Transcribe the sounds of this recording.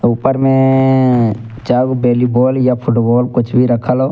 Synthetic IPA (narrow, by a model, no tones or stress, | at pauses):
uːpəɾmẽ | t͡ʃaːɡbeːliboːljapʰʊʈbɔːlkʊt͡ʃʰbʱiɾəkʰaloː